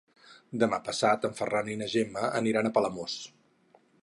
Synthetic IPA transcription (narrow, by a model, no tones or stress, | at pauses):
d̪əmapəsat̪əɱfəraninəʒeməʔəniɾanəpələmos